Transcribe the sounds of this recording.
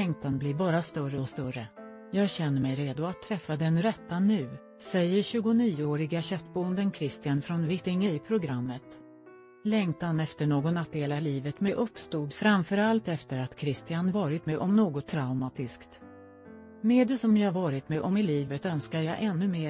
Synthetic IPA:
lɛŋt̪anblɪɾbɑːɾast̪œrəɔst̪œrə | jɑːɡɕɛnːəɾmɛjɾeːd̪ʊat̪ʰːɾɛfːad̪ɛnɾɛt̪ːanʉ̟ː | sɛjːəɾɕʉ̟ːɡʊniːoːɾɪɡaɕœt̪ːbʊənd̪ənkʰɾɪst̪ɪanfɾɔnvɪt̪ɪŋəpʰɾʊɡɾamːət̪ | lɛŋt̪anɛft̪əɳoːɡɔnat̪̚d̪eːlavliːvət̪mɛʔɵpːst̪uːd̪fɾamfœɾalt̪ɛft̪əɾat̪kʰɾɪst̪ɪanvɑːɾɪt̪mɛʔɔmnoːɡɔt̪ʰːɾaʊmaːt̪ɪskt̪ | meːd̪ɛsɔmjɑhaɾvɑːɾɪt̪mɛʔɔmɪliːvət̪œnskajɑːʔɛnːɵmeː

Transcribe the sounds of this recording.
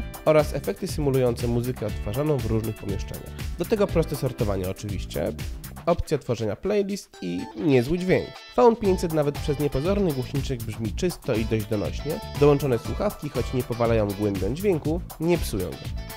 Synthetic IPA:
ɔɾasɛfɛk̚t̪ɘsɘmulujɔnt̪sɛmuzɘkɛɔt̪ːfaʐanɔ̃w̃vɾuʐnɘxpɔmʲjɛʂt͡ʂɛ̰ɲa̰xd̪ɔt̪ɛɡɔpɾɔst̪ɛsɔɾt̪ɔvaɲɛɔt͡ʂɘvʲḭɕt͡ɕɛ̰ɔpt̪sʲjat̪fɔʐɛɲaplɛjlʲist̪iɲɛzwɘd͡ʑvʲjeɲk | fawnpʲjeɲt͡ɕʲsɛt̪navɛt̪̚pʂɛzɲɛpɔzɔɾnɘɡwɔɕɲit͡ʂɛɡbʐmʲit͡ʂɘst̪ɔid̪ɔʑd͡ʑd̪ɔnɔ̰ɕɲɛd̪ɔwɔnt͡ʂɔnɛswuxafkʲixɔt͡ɕɲɛpɔvalajɔ̃w̃ɡwɛmbʲjɔ̃w̃d͡ʑvʲjeŋkuɲɛpsujɔ̰̃w̃ɡɔ̰

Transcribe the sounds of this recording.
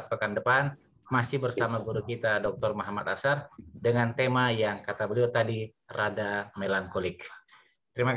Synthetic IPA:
t̪̚pəkandəpan | masɪhbərsamaɡuɾukit̪adɔk̚t̪ɔrmaɦamat̪a̰sardəŋant̪emajaŋkat̪abəliawt̪adi | radamelaŋkolɪk̚ | t̪əɾimak

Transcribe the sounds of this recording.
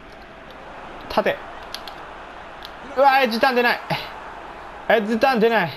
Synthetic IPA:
t̪ʰat̪e | aed͡ʑit̪ãnd̪enai | ezit̪ãnd̪enai

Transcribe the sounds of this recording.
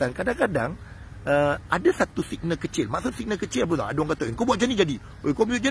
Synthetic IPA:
ankadaŋkadaŋ | əadasat̪usik̚nakət͡ʃɪlmaʔsʊt̪sik̚nakət͡ʃɪlap̬ət̪ɔ̰a̰dwaŋkat̪aŋkobuaʔ̪̚d͡ʒanid͡ʒadi | okobuaʔd͡ʒa

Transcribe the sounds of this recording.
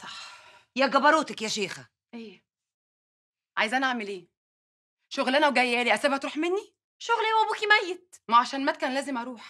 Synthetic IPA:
sˤɑ̥ħjæɡɑbɑɾoːt̪ækjæʃeːxæ | ʔeː | ʕajezʔænæʔaʕmelʔeː | ʃoɣlænæwɡæjːæːliʔæsæːbhæt̪ɾuːħmenːi | ʃoɣliowæbuːkimæjːet̪̚mæʕaʃæːnmæt̪̚kæːnlæːzemʔɑɾˤuːħ

